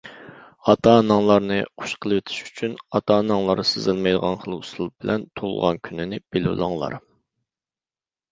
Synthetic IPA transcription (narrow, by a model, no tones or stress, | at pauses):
ɑt̪ʰɑnɑŋlˠɑɾnɨχu̥ʃqʰəlˠwɪt̪ʰɪ̥ʃy̥t͡ʃʰynɑt̪ʰɑnɑŋlˠɑɾsɨzɨlˠmɑjd̪əʁɑnχəlˠust̪ɨl̚ˠbɪlʔɛnt̪ʰolˠʁɑnkʲʰynɪnɪb̥el̰lˠɑ̰ŋlˠɑ̰ɾ